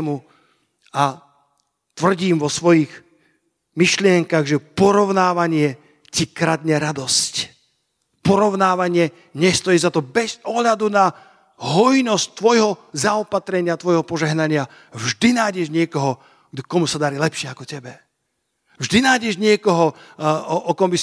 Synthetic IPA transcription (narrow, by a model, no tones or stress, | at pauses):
mu | a | t̪ʋr̩ɟiːmʋɔsʋɔjiːx | miʃlɪɛŋkaɣʒɛpɔɾɔʊnaːʋaɲɪɛ | cikɾad̪ɲɛɾad̪ɔsc | pɔɾɔʊnaːʋaɲɪɛ | ɲɛst̪ɔjizat̪ɔbɛzɔɦʎad̪una | ɦɔjnɔsct̪ʋɔjɦɔzaɔpat̪ɾɛɲɪat̪ʋɔjɦɔpɔʒɛɦnaɲɪa | vʒd̪inaːjɟɛʒɲɪɛkɔɦɔ | kɔmusad̪aɾilɛpʃɪɛakɔcɛbɛ | vʒd̪inaːjɟɛʒɲɪɛkɔɦɔ | ʔɔkɔmbi